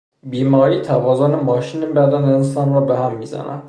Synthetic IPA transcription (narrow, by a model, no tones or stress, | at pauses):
biːmɒːɾiːt̪ʰævɒːzonemɒːʃinebæd̪æneensɒnɾɒbeɦæmːizæ̰næ̰